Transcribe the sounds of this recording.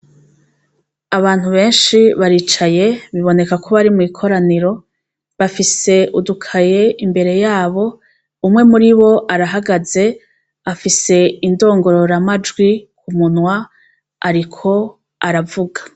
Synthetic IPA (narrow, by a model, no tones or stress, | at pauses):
aβaːn̥huβe̞ːnʃiβaɾiːt͡ʃaje̞βiβo̞ne̞kakʰo̞βaɾimuikʰo̞ɾaniɾo̞ | βafise̞ʔudukʰaje̞imbe̞ɾe̞jaːβo̞ | umŋe̞muɾiβo̞ʔaɾaɦaɡaze̞ | afise̞indo̞ːŋɡo̞ɾo̞ɾamad͡ʒɡwikumunwa | aɾikʰo̞ | aɾavuɡḁ